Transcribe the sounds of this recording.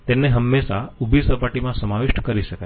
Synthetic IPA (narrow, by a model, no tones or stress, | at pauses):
t̪enːeɦəmːeʃaubʱisəpaʈimãsəmaʋɪʃʈkəɾiʃəka